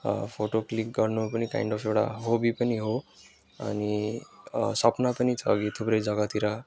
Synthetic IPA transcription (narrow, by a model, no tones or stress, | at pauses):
pʰoʈoklikɡʌɾnopənika̰ĩɳɖɔfewɽa̰ɦobʱipəniɦo | a̰ni | sʌpnapənit͡sʰʌ̰ːɡit̪ʰupɾejd͡zʌɡat̪iɾa